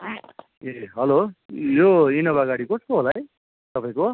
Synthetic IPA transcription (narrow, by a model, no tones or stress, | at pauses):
eɦʌlojoinʌbaɡaɽikoskoɦolaj | t̪ʌpaĩko